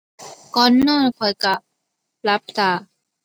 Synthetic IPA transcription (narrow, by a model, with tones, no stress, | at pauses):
kɔ˧˥nːɔː˥˩˨nkʰɔ˨˩ka˨˩ | la˦˥p̚saː˨˧˩